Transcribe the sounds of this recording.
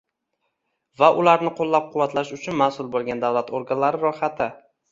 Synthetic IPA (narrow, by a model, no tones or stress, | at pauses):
vaʔʊlaɾnɪqʰolːap̚qʰʊwːat̪laʃʊt͡ʃʰʊnmasʊlˠbolˠɡʲand̪awlat̪ʰoɾɡanlaɾɪɾɒχat̪ʰɪ